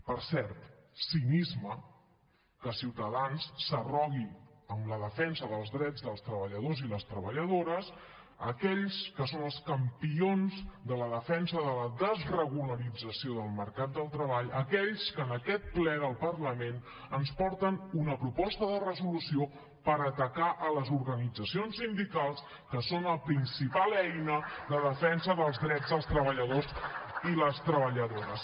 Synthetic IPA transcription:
pəɾsɛɾt̪sinizmə | kəsiwt̪əðansːərɔɣiəmləðəfɛnsəðəlˠzðɾɛd͡zðəlˠst̪ɾəβəʎəðoziləst̪ɾəβəʎəðoɾəs | əkɛʎskəsonəlˠskəmpionzd̪ələðəfɛnsəðələðəzrəɣuləɾid͡zəsioðəlˠməɾkat̪̚d̪əlˠt̪ɾəβaʎəkɛʎskənəkɛt̪̚plɛðəlˠpəɾləmen | ənspɔɾt̪ənunəpɾupɔst̪əðərəzulusio | pəɾət̪əkaʔələzuɾɣənid͡zəsionsind̪ikalˠs | kəsonəpɾinsipalɛjnəðəðəfɛnsəðəlˠzðɾɛd͡zðəlˠst̪ɾəβəʎəðosiləst̪ɾəβəʎəðoɾəs

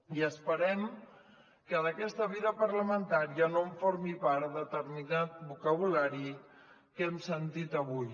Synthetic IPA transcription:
iəspəɾɛm | kəðəkɛst̪əβiðəpəɾləmənt̪aɾiənoɱfoɾmipaɾðət̪əɾminat̪̚bukəβulaɾi | kɛmsənt̪it̪əβuj

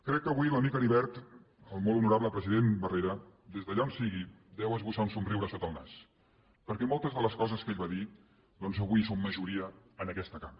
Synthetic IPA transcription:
kɾɛkːəβuiləmikəɾiβɛɾt̪ | əlˠmolˠunuɾaβləpɾəziðenbəreɾəd̪ezðəʎaonsiɣi | d̪ɛwəzβusaunsunriwɾəsot̪əlˠnas | pəɾkɛmolˠt̪əzðələskɔzəskeʎβaði | d̪ɔnzəβuisomːəʒuɾiəənəkɛst̪əkam

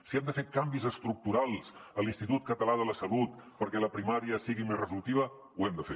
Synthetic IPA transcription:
siɛmd̪əfekambizəst̪ɾuk̚t̪uɾalˠz̥əlinst̪it̪ut̪kət̪əlaðələsəlut̪pəɾkɛləpɾimaɾiəsiɣimezrəzult̪iβ̞ə | wɛmd̪əfe

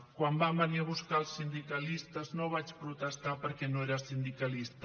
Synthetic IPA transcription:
kwambabəniəβ̞uskalˠsːind̪ikəlist̪əznoβat͡ʃpɾut̪əst̪apəɾkɛnoeɾəsind̪ikəlist̪

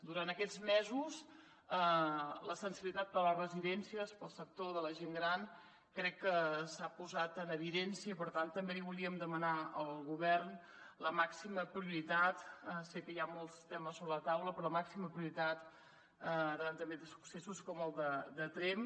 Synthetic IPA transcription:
d̪uɾant̪əkɛd͡zmɛzus | ələsənsiβilit̪at̪̚bələrəziðɛnsiəspəlˠsək̚t̪oðələʒeŋɡɾan | kɾɛkːəsapuzat̪ənəβiðɛnsiəipəɾt̪ant̪ːəmbeiβuliəmd̪əmənaəlˠɣuβɛrn | ləmaksiməpɾiuɾit̪at̪əsekəjamolˠst̪ɛməsːoβɾələt̪awləpɾɔləmaksiməpɾiuɾit̪at̪ | ət̪ənt̪əmbend̪əsu̥ksesuskɔməlˠd̪əd̪ət̪ɾem

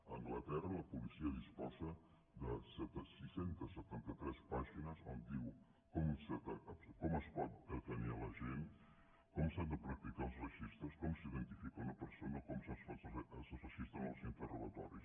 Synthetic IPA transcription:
ɐ̃ŋɡlɐt̪ɛrɐɐpulisiɐðiʃpɔsɐ | d̪ɐsɛt̪ɐsisẽnt̪ɐsət̪ẽnt̪ɐt̪ɾɛspaʒinɐzõnd̪̚d̪iw | komusɐt̪ɐɐkomɐspɔðɐtɐnialɐʒen | komusand̪ɐpɾɐk̚t̪ikauzrɐʒiʃt̪ɐskomusiðẽnt̪ifikɐunɐpəɾsonɐkomusɐ̃sfosɐsɐfɐʃiʃt̪ɐŋ̃ɐ̰wsĩnt̪əruɣɐt̪ɔ̰ɾjus

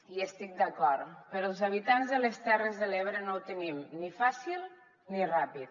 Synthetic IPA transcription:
iəst̪ik̚d̪əkɔɾpəɾɔəlˠzaβ̞it̪anzðəlest̪ɛrəzðəleβɾənowt̪ənimnifasilˠ | nirapit̪̚

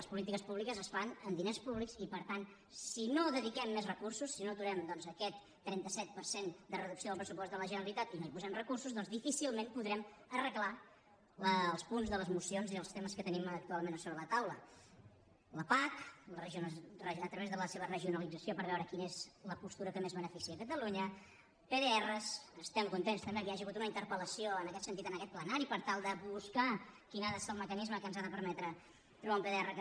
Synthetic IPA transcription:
ləspulit̪ikəspuβlikəzəsfanənd̪inespuβliksipəɾt̪an | sinoðəðikɛmːezrəkursusːinot̪uɾɛmd̪ɔnzəkɛt̪ːɾɛnt̪əsɛt̪̚pəɾsend̪ərəðuksioðəlˠpɾəsupɔst̪d̪ələʒənəɾəlit̪at̪inoipuzɛmrəkursuzðɔnzdifisilˠmẽnpuðɾɛm | ərəkla | ləlˠspunzðələzmusionziəlˠst̪eməskət̪ənimək̚t̪ualˠmenəsoβɾələt̪awlə̰ | ləpaklrəʒnrəət̪ɾəβezðələseβərəʒiunəlid͡zəsjopəɾβɛwɾəkinəezləpust̪uɾəkəmezβənəfisiəkət̪əluɲə | peðeɛrəsəst̪ɛmkunt̪enst̪əmbekəaʒiɣut̪unəint̪əɾpələsioənəkɛt̪sənt̪it̪ənəkɛt̪̚plənaɾipəɾt̪alˠd̪əβuskakinaðəesəlˠməkənizməkənzaðəpəɾmɛt̪ɾə | t̪ɾuβaũmpeðeɛrək

